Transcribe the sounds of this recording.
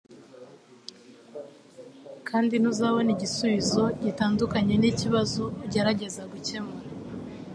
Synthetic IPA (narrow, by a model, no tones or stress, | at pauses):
kʰaːndin̥uzawoniɟisuβizo̞ɟitaːndukaɲe̞niciβazoɟeɾaɟe̞zaɡuce̞maɾ